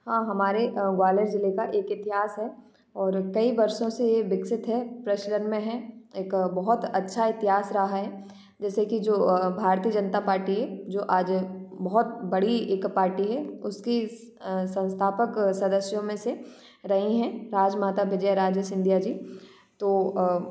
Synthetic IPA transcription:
hãːɦɐmaːɾeɡwaːleɾd͡ʒɪlekaʔeːkɪt̪ɪɦaːsɦɛ | ɔːɾkɐibɐɾʃõsejeʋɪksɪt̪ɦɛpɾɐʃlənmẽɦɛ̃eːkbɐɦʊt̪ɐtːʃʰaɪt̪ɪɦaːsɾɐɦaɦɛ | d͡ʒɛːsekid͡ʒoːbʱaːɾt̪iːəd͡ʒɐnt̪apaːɾʈiɦɛd͡ʒoːʔaːd͡ʒbɐɦʊt̪̚bɐɽieːkpaːɾʈiɦɛʊski | sɐ̃nst̪ʰaːpəksɐd̪əsjõmẽse | ɾɐɦĩɦɛ̃ɾaːd͡ʒmaːt̪aʋɪd͡ʒəɛɾaːd͡ʒjəsɪ̃nd̪ʱijad͡ʒiː | t̪oː

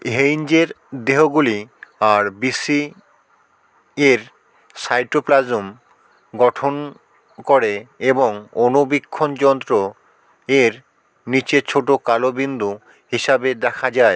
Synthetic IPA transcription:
ɦejnd͡ʑeɾ | d̪eɦoɡuliaɾbisi | eɾ | sajʈoplad͡ʑom | ɡɔʈʰon | koɾeeboŋonobikʰːond͡ʑɔnt̪ɾo | eɾ | nit͡ɕet͡ɕʰoʈokalobind̪u | ɦiʃabed̪ɛkʰad͡ʑae

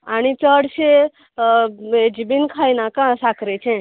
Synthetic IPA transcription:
aɽ̃it͡səɽse | ed͡ʑibinkʰajnakãsakɾet͡ʃʰẽ

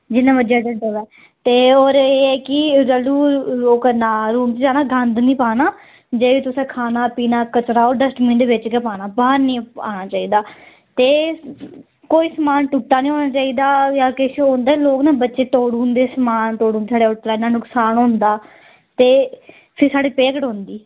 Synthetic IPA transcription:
d͡ʒɪnːãːbəd͡ʒaːd̪əʈəʋɛː | t̪eːoːɾeːɛːkɪɾəluːloːknaːɾuːnt̪ːd͡ʒaːnaːɡənd̪nĩːpaːnaː | d͡ʒeːʋiːt̪ʊsẽːkʰaːnaːpiːnaːkət͡ʃɾaːoːɾɖəsʈmɪ̃ɳɖʋet͡ʃkeːpaːnaːbaːɾnĩːa̰ːnaːt͡ʃaːiːd̪aː | t̪eː | koːiːsəmaːnʈuʈːaːnĩːɦoːnaːt͡ʃaːiːd̪aːjaːkɪʃoːnd̪aːloːknaːbətːʃeːt̪oːɽuːnd̪eːsəmaːnt̪oːɽũːd̪sʰaːɖeːʊʈlaːnãːnʊksaːnɦʊ̃ːnd̪aː | t̪eː | pʰɪɾsaːɽiːpeːkəʈɦõːnd̪iː

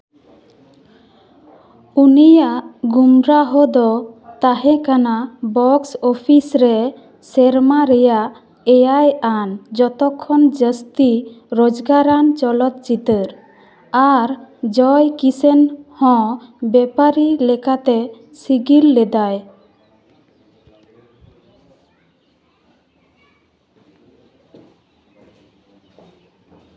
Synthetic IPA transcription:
unijaʔɡumɾaɦɔd̪ɔt̪aɦɛ̃kanabɔksɔpʰisɾɛ | sɛɾmaɾɛjaʔ | ɛjajand͡ʒɔt̪ɔkʰːɔnd͡ʒəst̪iɾod͡ʒɡaɾant͡ʃɔlɔt̪̚t͡ʃit̪əɾ | aɾd͡ʒɔjkisenhɔ̃bɛpaɾilɛkat̪ɛ | siɡilːɛd̪aj

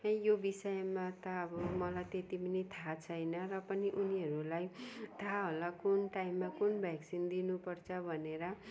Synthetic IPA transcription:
ʌ̃jjobisʌjmat̪ʌʌbʌmʌlajt̪et̪ibinit̪ʰat͡sʰʌjnʌrʌpʌniʔuniɦʌɾulajt̪ʰaɦolakunʈaimːakunbʱjaksind̪inupʌrt͡sʰʌbʱʌneɾʌ

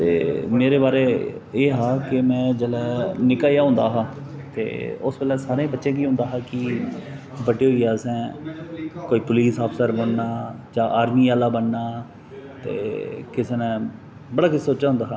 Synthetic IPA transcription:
t̪ḛːmeːɾeːbaːɾeː | eːɦaːkɪmɛ̃ːd͡ʒəlɛːnɪkaːjaːɦʊ̃ːnd̪aːɦaːt̪ḛːʊ̰sbəlɛːsaːɾẽːbətːʃẽːkiːõnd̪aːɦaːkɪ | bəʈeːɦoiaːsɛ̃ː | koːiːpʊliːsaːpʰsəɾbəɳnaːd͡ʒãːʔaːɾmiːaːlaːbənːaː | t̪ḛːkɪseːnə̃ | bəɽaːkɪsoːt͡ʃaːɦʊ̃nd̪aːɦaː

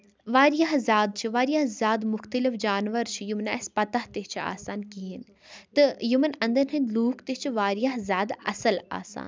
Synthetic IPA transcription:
ʋaːɾijaɦzʲaːd̪̚t͡ʃʰiʋaːɾijaɦzʲaːd̪mʊxt̪əlifd͡ʒaːnʋɐɾt͡ʃʰijumna̰spɐt̪ɐht̪eɦt͡ʃʰia̰ːsaːnkiɦin | t̪ɨjumɐnɐ̃nd̪ɐnɦɐ̃nluːkʰt̪et͡ʃʰiʋaːɾijaɦzʲaːd̪ɐ̰sɐla̰ːsa̰ːn

